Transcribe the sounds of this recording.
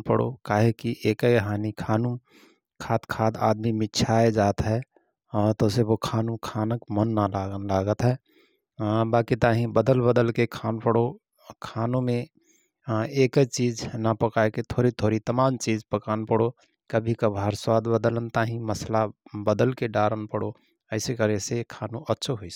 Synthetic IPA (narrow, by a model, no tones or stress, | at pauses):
pəɽo̰kaːɦekiʔeːkəjɦaːnikʰaːnũ | kʰaːt̪kʰaːt̪a̰ːd̪mimɪt͡ʃʰaːed͡ʒaːt̪ɦɛ | t̪oseʋokʰaːnũkʰaːnəkmənːalalaːɡət̪ɦɛː | baːkit̪aːɦĩbəd̪əlbəd̪əlkekʰaːnpəɽo | kʰaːnũmẽ | eːkət͡ʃiːd͡ʒnapəkaːeket̪ʰoːɾit̪ʰoːɾit̪əmaːmt͡ʃiːd͡ʒpəkaːnpəɽo | kəbʱikabʱəɾswaːd̪bəd̪lənt̪aːɦĩməslabəd̪əlkeɖaːɾənpəɽo | əɪsekəɾesekʰaːnũʔətːʃʰoɦois